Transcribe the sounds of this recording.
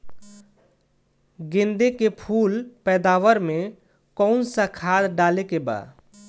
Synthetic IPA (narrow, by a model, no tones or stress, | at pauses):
ɡẽnd̪ekepʰuːlpɛːd̪aːʋəɾmẽ | kɔʊnsakʰad̪ɖalekeba̰ːd